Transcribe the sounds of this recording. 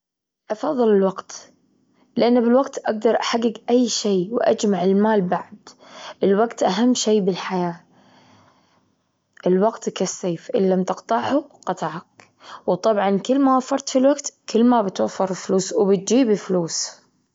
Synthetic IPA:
ʔɑfɑðˤːɨlɪlwaɡt̪ | lʔanːbɪlwaɡt̪ʔaɡ̚d̪ɑɾˤʔaħaɡːɪɡʔajːʃeːwʔa̰d͡ʒmaʕɪlmaːlbaʕd̪̥ʔɪlwaɡt̪ʔaɦamːʃeːbɪlħajaː | ʔɪlwaɡt̪kasːeːfʔɪ̰lːamt̪ɪqt̪ɑʕʕuqɑt̪ˤɑʕak | wt̪ˤɑbʕɑnkɪlːmawafɑɾˤt̪filwaɡt̪kɪlːmabɪt̪wafːɑɾˤɪfluːswbɪt̪̚d͡ʒiːbɪfluːs

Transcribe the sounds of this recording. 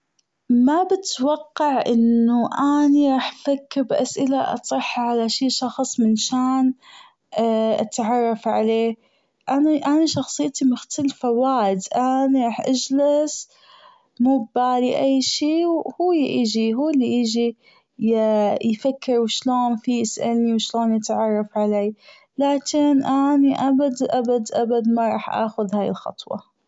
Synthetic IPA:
mabɪt̪wɑqːɑʕʔɪ̰nːʊʔaniɾˤɑːħfakːɪɾbʔasʔɪlaʔɑ̰sˤɨħːʕalaʃiːʃɑxsˤmɪnʃaːn | ʔa̰t̪ʕɑrˤːɑfʕaleː | ʔanaʔanaʃɑxsˤɨjːt̪imʊxt̪alfawaːʔɪd̪ʔaniɾˤɑːħʔad͡ʒlas | muːbbaːliʔajːʃiːwhuːjʔɪd͡ʒiɦuːlːiʔɪd͡ʒi | jfakːɪɾwʃloːnfijɪsʔalniwʃloːnjɪt̪ʕɑrˤːɑfʕaleː | laːkɪnʔaniʔabad̪ʔabad̪ʔabad̪maɾˤɑːħʔa̰ːxʊðhaːjɪ̰lxɑ̰t̪ˤwɑ̰

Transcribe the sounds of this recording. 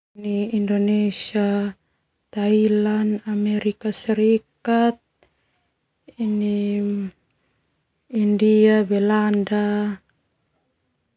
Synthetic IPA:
niːndonɛsia | t̪ailanamɛɾikasɛɾikat̪̚ | ini | indiabɛlanda

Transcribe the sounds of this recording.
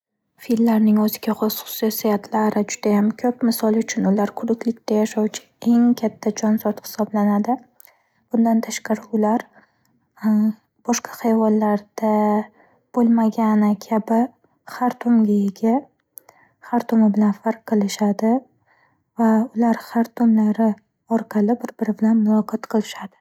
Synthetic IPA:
filːaɾnɪŋɵzɪɡʲaχʊsʊ̥sijasijat̪ʰlaɾɪd͡ʒʊd̪̥ajamkʲʰɵpmɪsɒlˠʊt͡ʃʰʊnʊlaɾkʰʊɾɪkʲlɪk̚ʲt̪ʰajaʃawt͡ʃʰɪ̥ | e̞ŋkʲʰat̪ʰːad͡ʒɒnzɒɾt̪hɪ̥sɒblanad̪ɪ | b̥ʊnd̪ant̪ʰaʃqɑɾɪʊlaɾ | b̥ɒʃqʰɑ̥hajvɒnlaɾd̪̥a | b̥olˠmaɡʲanɪkʲʰabɪ | χaɾt̪ʰʊmɡʲajɪɡʲa | χaɾt̪ʰomɪbɪlanfaɾqqːɨlˠɪʃad̪ɪ | vaʊlaɾhaɾt̪ʰʊmlaɾɪ | ɒɾqʰɑlˠɪbɪɾbɪɾɪbɪlanmʊlˠɒqʰɒt̪qʰɨlˠɪʃad̪ɪ̥

